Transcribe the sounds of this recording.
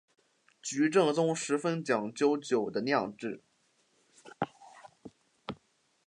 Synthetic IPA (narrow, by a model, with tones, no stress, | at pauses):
t͡ɕy˧˥ʈ͡ʂɤ˥˩ŋt͡sʊ˥ŋʂɻ̩˧˥fə˥nt͡ɕjɑ˨˩ŋt͡ɕjo˥ʊt͡ɕjo˨˩ʊd̪ə˦njɑ˥˧ŋʈ͡ʂɻ̩˥˩